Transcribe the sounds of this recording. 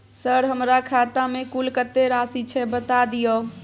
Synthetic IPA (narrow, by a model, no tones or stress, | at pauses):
səɾɦəmɾakʰat̪amekulkət̪ːeɾasit͡ʃʰɛbət̪ad̪ijo